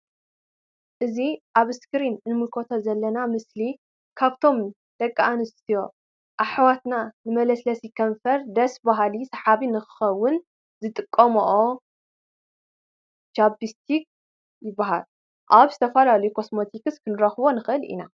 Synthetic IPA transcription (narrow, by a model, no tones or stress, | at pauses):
ʔɨziʔaβɨskɨɾinnɨmɨlkʰo̞t̪ʰozɐlːɐnamɨsli | kʰaβt̪ʰo̞m | d̪̥ɐkʼːaanɨst̪ʰijo̞ | ʔaħwat̪nanɨmɐlɐslɐsikʰɐɱfɐɾd̪ɐsbaɦalisɐħaβinɨxɨ̥xɐwːʊn | zɨt̪ʼɨkʼːɐmoʔo | t͡ʃabist̪ʰik̚ | jɪbːaɦal | ʔaβzɨt̪ʰɐfɐlalɐjukʰosmo̞t̪ʰikɨskʰɨnɨɾɐxβo̞nɨxɨʔɨlḭna